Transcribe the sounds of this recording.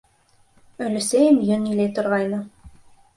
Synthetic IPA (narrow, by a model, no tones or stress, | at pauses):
ɵ̆lɘ̆sæjɘmjɵnilæjt̪ŏɾʁɑjnɤ